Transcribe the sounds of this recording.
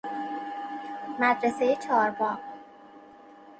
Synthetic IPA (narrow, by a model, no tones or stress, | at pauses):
mæd̪ɾese̞jet͡ʃʰɒːɾbɒː